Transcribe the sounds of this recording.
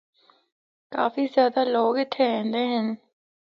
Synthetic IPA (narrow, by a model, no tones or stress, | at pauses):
ka̰ːfiːzjaːd̪aːloːɡɪt̪ʰːeːɛ̃ːnd̪eːɦən